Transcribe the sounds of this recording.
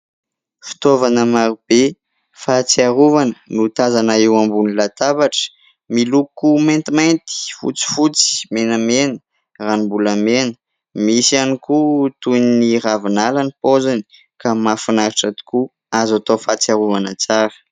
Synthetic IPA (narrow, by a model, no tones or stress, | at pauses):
fi̥t̪ovanəmaɾub̥e | fat͡siaɾuvanənut̪azanaiwambunilat̪abaʈ͡ʂə̥ | milukument̪imajnt̪i̥fṵt͡si̥fut͡si̥menəmenə̥ | ranimbulamenə̥ | misianikut̪unniɾavinalanipozani̥ | kamafinaɾiʈ͡ʂat̪i̥ku | azat̪ofat͡siaɾuvanət͡saɾə̥